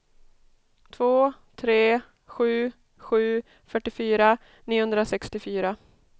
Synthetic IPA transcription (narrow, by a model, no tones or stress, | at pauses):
t̪ʰvoː | t̪ʰɾeː | ɧʉ̟ː | ɧʉ̟ː | fœʈːɪfyːɾa | niːʊhɵnd̪ɾasɛkst̪ɪfyːɾa